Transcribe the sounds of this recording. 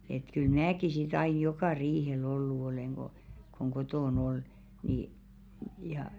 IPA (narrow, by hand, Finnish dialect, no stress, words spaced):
et kyl mnæːki sit ɑij̆ jokɑˑ riːhel olːu oleˑŋ ɡ̊o koŋ kotoˑn ol niː jɑ